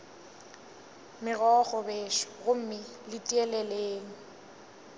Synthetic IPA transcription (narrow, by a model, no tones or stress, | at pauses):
mɪɣɔχɔbeːʃɔ̥ɣʊm̩mɪ | lɪtʼiɛlɛleːŋ̩